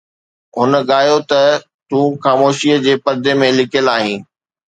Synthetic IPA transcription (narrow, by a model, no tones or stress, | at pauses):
ɦʊnəɠaːjot̪ɐ | t̪ũːxaːmoːʃiəd͡ʑeːpɐɾd̪emẽlɪkʰəlaːɦĩː